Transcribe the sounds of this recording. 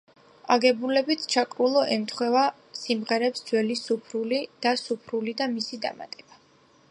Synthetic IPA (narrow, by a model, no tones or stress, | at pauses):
aɡɛbulɛbit̪ʰt͡ʃʰakʼɾulˠɔʔɛmt̪ʰχwɛva | simʁɛɾɛpsd̪z̥wɛlisupʰɾulid̪̥asupʰɾulid̪amisid̪a̰ma̰t̪ʼɛba